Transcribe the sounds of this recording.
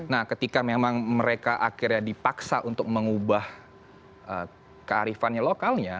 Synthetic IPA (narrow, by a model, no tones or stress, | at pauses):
nahkət̪ikamemaŋməɾekaʔakɪrɲadipaksaʔunt̪ʊk̚məŋubah | ʔə | kəa̰ɾifanɲalokalɲa